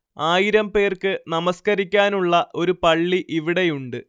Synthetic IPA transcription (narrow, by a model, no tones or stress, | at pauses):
aːjiɾɐmpe̞ːrkɨnɐmɐskɐɾikʲːaːnuɭːɐʔo̞ɾupɐɭːiʔiʋiɽe̞juɳɖɨ